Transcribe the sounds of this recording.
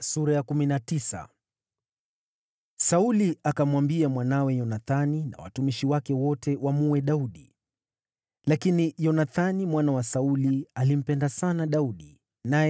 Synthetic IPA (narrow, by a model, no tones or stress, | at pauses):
suɾajakuminatisa̰ | sauliakamwambiamwanawɛjɔnaθanina̰wa̰tumiʃiwakɛwɔtʰɛwamuwɛɗauɗi | lakinijɔnaθanimwanawasaulialim̩pɛndasanaɗauɗi | naj